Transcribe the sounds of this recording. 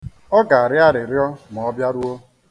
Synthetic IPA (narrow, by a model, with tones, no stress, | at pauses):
ɔ˦ɡa˨a˨ɾɪ˦a˦ɾɪ˨ɾɪ˦ɔ˦mɔ˨ɔ˦bja˦ɾu˦o˦